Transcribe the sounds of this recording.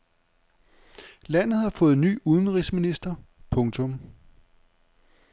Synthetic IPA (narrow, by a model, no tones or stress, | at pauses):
læn̰ð̩ˠhɑ̈fɔ̽ːð̞̩ˠny̰ːuð̞ˠn̩ʁisminisd̥ɐpʰɔ̽ŋt͡sʰɔ̽m